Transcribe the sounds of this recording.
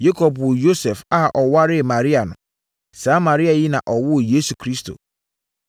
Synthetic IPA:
je˦kʰo˨pʊ˨jo˦sɛ˨fa˦ʔɔ˨wa˦ɾɪ˦˨mã˨ɾi˦a˨nʊ̰̃˨ | sã˦ma˨ɾi˦a˨ji˦nã̰˨ʔɔ˨wʊ˦˨je˦su˨kʰɾi˦stʰo̰˨

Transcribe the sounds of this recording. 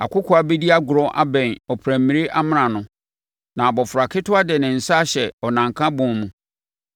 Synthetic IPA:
a˨kʰʊ˦kʰʊ˦a˨bɛ˦di˦a˦ɡʊ˨ɾɔ˦ʔa̰˦bɛ̃˨nɔ˨pʰɾæ̃˨m˨mːĩ˨ɾe˦ʔa˦mɪ̃˦ɾã˨nʊ̃˨ | nã˨bɔ˨fʊ˨ɾa˨kʰɪ˦tʰʊ˦a˦dɪ˨nɪ̃˨n̩˨sa˦ɕɛ˨ɔ˨nã˨ŋ˨kʰã˦bʊ̃˨˦mũ˨

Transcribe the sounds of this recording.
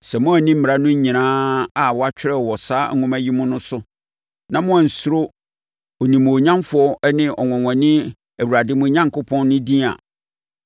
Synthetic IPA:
sɛ˨mʊ̃˦æ˨nĩ˦m̩˦m˨ɾa˦nʊ̃˦ɲ̩˦ɲĩ˨nãː˦a˨wɔ˨˦a˦t͡ɕᶣɪ˦ɾɛ˦˨wɔ˨saː˦ŋ̩˦ŋʊ̃˦mæ˦ji˦mʊ̃˦nʊ̃˦sʊ˦ | nã˨mʊ̃˦ã˨n̩˨sɾo˦ | o˨nĩ˨m̃˨o˨ɲã˦mfʊ˨˦ɔ˦ɛ˦nɪ̃˦ʔɔ˨ŋɔ̃˨wɔ̃˨nɪ̃˦ | æ˨wu˨ɾa˨dɪ˦mʊ̃˦ɲã˦ŋkʰʊ˦pʰɔ̃˦nːʊ̃˦dĩ˦a̰˨

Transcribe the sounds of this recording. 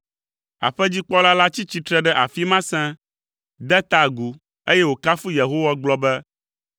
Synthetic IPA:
a̰˨ɸɛ˦d͡ʑi˦k͡pɔ˦la˦la˦t͡ɕi˦t͡ɕi˨˦t̪ɾɛ˦ɖɛ˦ʔa˨fi˦mã˦sɛ̃˦ | d̪ɛ˦t̪a˨ɡu˨ | e˦jɛ˦wo˨ka˦fu˦je˨ɦo˦wa˦ɡ͡blɔ˦bɛ˦

